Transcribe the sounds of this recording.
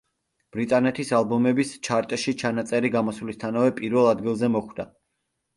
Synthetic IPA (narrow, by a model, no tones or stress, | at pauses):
b̥ɾit̪ʼanɛt̪ʰisalˠbɔmɛbist͡ʃʰaɾt̪ʼɛʃit͡ʃʰanat̪sʼɛɾiɡamɔsvlist̪ʰanavɛpʼiɾvɛlˠad̪ɡilˠzɛmɔχwd̪a